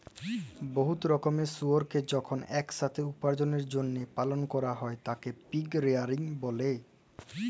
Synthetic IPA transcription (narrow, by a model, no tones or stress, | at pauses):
boɦut̪ɾɔkomesuoɾked͡ʑɔkʰonɛkʃat̪ʰeupaɾd͡ʑoneɾd͡ʑonːepalonkɔɾaɦɔet̪akepiɡɾeaɾiŋbole